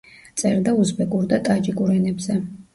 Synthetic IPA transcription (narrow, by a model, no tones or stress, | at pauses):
t̪sʼɛɾd̪auzbɛkʼuɾd̪at̪ʼad͡ʒikʼuɾɛnɛbzɛ